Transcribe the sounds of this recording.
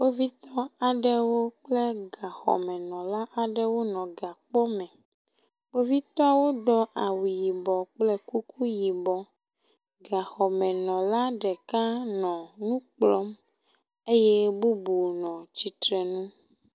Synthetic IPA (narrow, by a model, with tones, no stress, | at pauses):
wo˦vi˦t̪ɔ˦a˨ɖɛ˦wo˦k͡ple˦ɡa˨xɔ̰˨mɛ̃˨nɔ̃˨la˦ʔa˨ɖɛ˦wo˦nɔ̃˨ɡa˨k͡po˦mɛ̃˨ | wo˦vi˦t̪ɔ˦a˦wo˦ɖɔ˦ʔa˨wu˨ji˨bɔ˨k͡plɛ˦ku˦kʰu˦ji˨bɔ˨ | ɡa˨xɔ˨mɛ̃˨nɔ̃˨la˦ɖɛ˨ka˦nɔ̃˨nũ˦k͡plɔ˦m | e˦je˦bu˦bu˨nɔ̃˨t͡ɕi˨t̪ɾɛ˨nũ˦